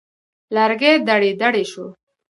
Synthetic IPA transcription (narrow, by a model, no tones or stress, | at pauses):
laɾɡed̪aɽed̪aɽeʃo